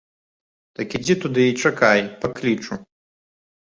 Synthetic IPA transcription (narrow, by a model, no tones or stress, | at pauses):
t̪ɐkʲid͡zʲit̪ud̪ɨit͡ʂɐkajpɐklʲit͡ʂu